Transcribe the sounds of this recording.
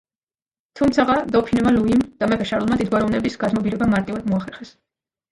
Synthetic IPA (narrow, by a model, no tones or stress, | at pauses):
t̪ʰumt̪sʰaʁad̪ɔpʰinɛmaluimd̪̥amɛpʰɛʃaɾlˠmad̪id̪̚ɡwaɾɔvnɛbisɡad̪mɔbiɾɛbamaɾt̪ʼivad̪mɔaχɛɾχɛs